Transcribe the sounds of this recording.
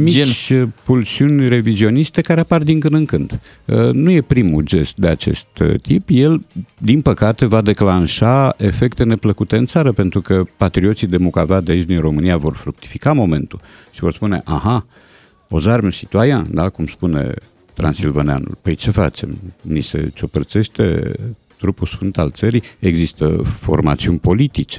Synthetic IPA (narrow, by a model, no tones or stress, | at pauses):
mit͡ʃpulsiunʲre̞vizio̞nist̪e̞kaɾeapard̪iŋkɨnd̪ɨŋkɨnd̪̥ | ənuje̞pɾimud͡ʒe̞st̪̚d̪eat͡ʃe̞̰st̪t̪ipje̞ld̪inpəkat̪e̞vad̪e̞klanʃaefe̞kt̪e̞ne̞pləkut̪e̞ɨnt̪saɾəpe̞nt̪ɾukəpat̪ɾio̞t̪sid̪e̞mukavad̪eait͡ʃd̪inro̞mɨnijavo̞rfɾuk̚t̪i̥fi̥kamo̞me̞̰nt̪ulʃivo̞rspune̞̰ʔaɦa | o̞zarmsit̪uajãnd̪akumspune̞̰ | t̪ɾa̰nsilvənea̰nṵlpəjt͡ʃe̞fa̰t͡ʃe̞̰mnise̞̰t͡ʃo̞pərt̪se̞ʃt̪e̞̰ | t̪ɾupusfɨnt̪alt̪səɾieɡzist̪ə̰fo̞̰rmat̪siunʲpo̞lit̪it͡ʃe